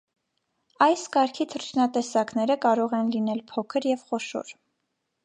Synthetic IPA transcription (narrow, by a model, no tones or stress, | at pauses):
ɑjskɑɾkʰit̪ʰəɾt͡ʃʰnɑt̪ɛsɑknɛɾəkɑɾɔʁɛnlin̪ɛlpʰɔkʰəɾjɛvχɔʃɔ̰ɾ